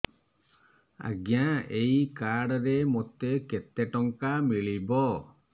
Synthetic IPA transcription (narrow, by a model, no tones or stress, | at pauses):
a̰ɡjaejkaɽɾemot̪eket̪eʈɔŋkamiɭibɔ